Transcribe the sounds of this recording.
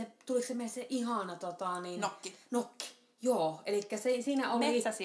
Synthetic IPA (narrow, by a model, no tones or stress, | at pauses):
et̪uliksemːeˑsseʔʔihɑˑnɑt̪ot̪ɑˑniːnːnokːi̥ | joːʔelikːæsisiːnæoliˑ